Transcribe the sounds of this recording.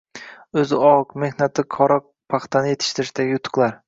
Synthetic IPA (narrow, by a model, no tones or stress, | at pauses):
ɵzɪɒkme̞hnat̪ʰɪkʰɒɾɒq̚pʰaχt̪ʰanɪje̞t̪ʰɪ̥ʃt̪ʰɪɾɪʃt̪aɡʲɪjʊt̪ʰːɨ̥qlˠaɾ